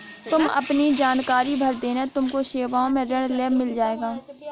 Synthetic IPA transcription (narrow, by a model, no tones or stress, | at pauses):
t̪ʊmɐ̰pnid͡ʒaːnkaːɾibʱəɾd̪eːnet̪ʊmkoʃeːʋaːõmẽɾɐɽleːbmɪld͡ʒaːeːɡaː